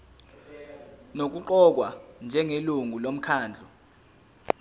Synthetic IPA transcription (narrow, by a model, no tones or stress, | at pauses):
nok̬uǃɔk̬wand͡ʒʱɛŋeluŋʱulom̩kʰaːnd͡ɮʱɔ